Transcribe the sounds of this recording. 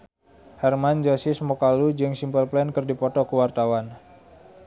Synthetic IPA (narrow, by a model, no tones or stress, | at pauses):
hɛrmand͡ʒasisəmɔkalud͡ʒɨŋsimpəlplɛnkərdipɔt̪ɔkəwart̪awan